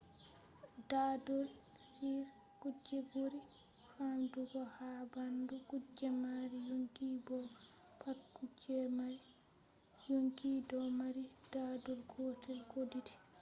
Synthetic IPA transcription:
daːdɔl | siɾ | kud͡ʒːɛboɾi | hamduɡɔhaːbanduɡud͡ʒːɛmaɾijoŋkiːbɔ | pʰatkud͡ʒɛmaɾi | joŋkiːdɔmaɾid̥adɔlkɔːtʰɛlkodidi

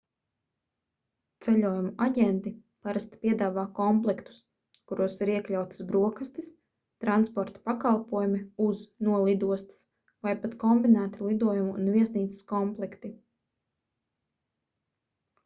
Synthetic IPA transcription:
t̪sɛʎʲuɔjumuʔaɟʲɛnt̪i | paɾast̪pʲiɛd̪aːvaːkɔmplˠɛkt̪u̥s | kuɾuɔsiɾiɛklʲawt̪i̥sbɾuɔkast̪is | t̪ɾanspɔɾt̪ḁpakalˠpuɔjumiuznuɔlˠid̪uɔst̪i̥s | vajpat̪kɔmbinæːt̪ilˠid̪uɔjumuṵnvʲiɛsniːt̪sɪ̥skɔmplˠɛkt̪i

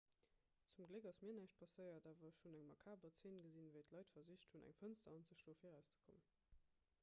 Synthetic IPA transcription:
t͡sumɡləkɑsmiːɐnæɪʃt̚pʰɑsəɪɐdaːvɐʃunæŋmɑkʰaːbət͡seːnɡəzinvəɪtʰlɑɪtfɐziʃtʰhunæ̰ŋfənstɐɑnzəʃdoːfiːɐʁæʊst͡sə̥kʰomən

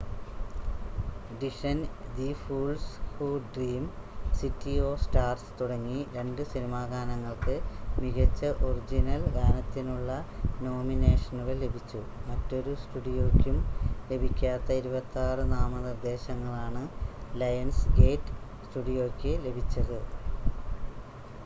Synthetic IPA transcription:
ɖiʂɐnd̪ifuːlshuːɖriːmsitːio̞ːsʈaːrst̪uɽɐŋːiɾe̞ɳɖɨsinimaːɡaːnɐŋːɐɭkɨmiɣɐt͡ɕːɐʔorid͡ʑinɐlɡaːnɐt̪ːinuɭːɐno̞ːmineːʂɐnuɣɐle̞bʱit͡ɕːumɐtːo̞ɾusʈuɽijo̞ːkʲːumle̞bʱikʲːaːt̪ːɐiɾubɐt̪ːaːrɨnaːmɐnird̪e̞ːɕɐŋːɐɭaːɳɨlɐjɐnsɡe̞ːʈːɨ̥ | sʈuɽijoːkʲːɨle̞bʱit͡ɕːɐðɨ

